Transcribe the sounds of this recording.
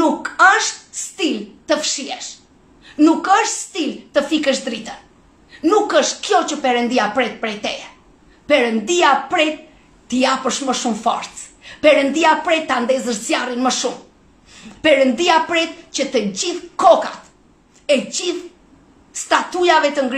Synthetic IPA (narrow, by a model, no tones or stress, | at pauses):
nukəʃt̪̚st̪ilt̪əfʃiɛʃ | nukəʃt̪st̪ilt̪əfikəʃd̪ɾit̪ən | nukəʃt̪kjɔt͡ɕəpɛɾənd̪iapɾɛt̪̚pɾɛt̪ɛ | pɛɾənd̪iapɾɛt̪ː | əjapəʃməʃumfɔ̰ɾt͡s | pɛɾənd̪iapɾɛt̪ːand̪ɛzəɾt͡sjarinməʃum | pɛɾənd̪iapɾɛt̪̚t͡ɕət̪əd͡ʑiθkɔkat̪ | ɛd͡ʑiθ | st̪at̪ujavɛt̪əŋɡɾ